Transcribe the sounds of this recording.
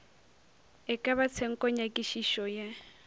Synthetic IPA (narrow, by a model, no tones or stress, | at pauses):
ɛkʼaβat͡sʰɛŋ̩kʼɔɲakʼiʃiʃɔja